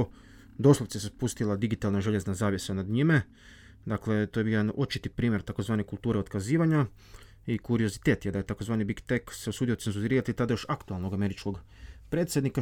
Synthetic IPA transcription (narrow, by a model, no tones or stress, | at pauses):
d̪o̞slˠoʋt̪siesespust̪ilad̪iɡit̪aːlˠnaʒe̞ʎe̞znazaːʋjesanad̪ɲime | d̪akle̞t̪ojejed̪ano̞t͡ʃit̪ipɾiːmje̞ɾt̪ako̞zʋaːnekulˠt̪uːɾeo̞t̪kaziːʋaɲa | ikuɾio̞zit̪e̞ːt̪jed̪ajet̪akozʋaːnibikt̪ekseosuːd̪iot̪senzuɾɾiːɾat̪it̪ad̪ajo̞ʃakt̪ualnoɡame̞ɾit͡ʃko̞ɡ | pɾe̞ːt̪sʲje̞d̪nika